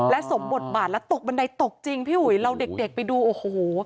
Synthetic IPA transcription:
lɛ˦˥so˩˦mbo˨˩t̪̚baː˨˩t̪̚lɛ˦˥wt̪o˨˩k̚ba˧nda˧jt̪o˨˩k̚t͡ɕi˧ŋpʰiː˥˩hu˨˩˦jɾa˧wde˨˩k̚de˨˩k̚pa˧jduː˧ʔoː˨˩hoː˨˩˦

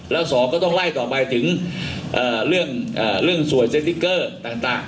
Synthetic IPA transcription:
lɛː˦˥˩wsɔː˨˦kɔː˥˩t̪ɔ˥˩ŋlaː˥˩jt̪ɔː˨˩pa˧jt̪ʰɯ˩˦ŋʔɤː˨˩ɾɯ˥˩əŋʔɤː˨˩ɾɯ˥˩əŋsu˨˩əjse˧˥t̪i˦˧˥kːɤː˥˩t̪aː˨˩ŋt̪aː˨˩ŋ

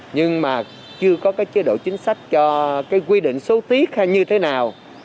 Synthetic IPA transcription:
ɲɨ˧ŋmaː˨˩ | t͡ɕɨ˧əkɔ˨˦kaː˨˦jt͡ɕe˨˦ɗo̰˧˨t͡ɕï˨˦ŋ̟sa˦˥jk̟̚t͡ɕɔ˧kaː˨˦jkwi˧ɗḭ˧˨ŋ̟so˨˦t̪i˦˥ək̚ha˧jɲɨ˧t̪ʰe˨˦naː˨˩w

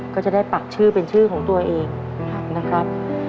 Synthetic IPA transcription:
kɔː˥˩t͡ɕa˨˩da˥˩jpa˨˩k̚t͡ɕʰɯː˥˩pe˧nt͡ɕʰɯː˥˩kʰɔː˩˦ŋt̪u˧ɐʔeː˧ŋ̚˨˩ | na˦˥kʰɾa˦˥p̚

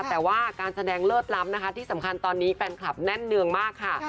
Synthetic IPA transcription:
t̪ɛː˨˩waː˥˩kaː˧nsa˧dɛː˧ŋlɤː˥˩t̪̚la˦˥m̚na˦˥kʰa˦t̪ʰiː˥˩sa˩˦mkʰa˧nt̪ɔː˧nːiː˦˥pe˧nkʰla˨˩p̚nɛ˥˩nːɯ˧əŋmaː˥˩kʰːa˥˩

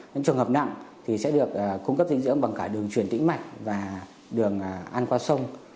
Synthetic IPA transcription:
ɲɨ̰˧˥t͡ɕɨ˨˩həː˨˩p̚na̰˧˨ŋt̪ʰi˨˩sɛ̰˧˥ɗɨ˨˩ək̚ːkːu˧ŋ͡mkə˦˥p̚zḭ˧˥ŋzɨ̰˧˥əŋɓa˨˩ŋkaː˧˩ɗɨ˨˩əŋt͡ɕwi˨˩ənt̪ḭ˧˥ŋ̟ma˨˩jk̟̚vaː˨˩ | ɗɨ˨˩əŋ˩ʔa˧nkwaː˧sə˧wŋ͡m

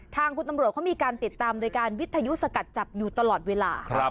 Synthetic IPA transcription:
t̪ʰaː˧ŋkʰu˧nt̪a˧mɾu˨˩ət̪̚kʰːmiː˧kaː˧nt̪i˨˩t̪ːaː˧mdoː˧jkaː˧nwi˦˥t̪ʰa˧ju˦˥sa˧ka˨˩t̪̚t͡ɕa˨˩p̚juː˨˩t̪a˧lɔː˨˩t̪̚weː˧laː˧˦

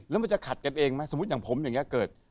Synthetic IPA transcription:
lɛː˦˥wma˧nt͡ɕa˨˩kʰa˨˩t̪̚ka˧nʔeː˧ŋma˦˥so˩˦˥t̪̚jaː˨˩ŋpʰo˩˦mja˨˩ŋi˦˥kɤː˨˩t̪̚

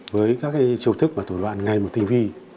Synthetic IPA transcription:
vəː˨˦jkaː˦˥k̚aː˨˦jt͡ɕi˧wt̪ʰɨ˦˥k̚maː˨˩o˧˩lwa̰ː˧˨nŋa˨˩jmo˨˩t̚t̪i˧˩ŋ̟vi˧

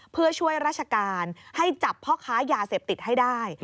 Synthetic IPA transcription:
pʰɯ˥˩ɐt͡ɕʰu˥˩əjɾaː˥˩t̪̚ʰa˧kaː˧nha˥˩jt͡ɕa˨˩pʰːɔː˥˩kʰaː˦˥jaː˧seː˨˩p̚t̪i˨˩t̪̚ha˥˩jdaː˥˩j

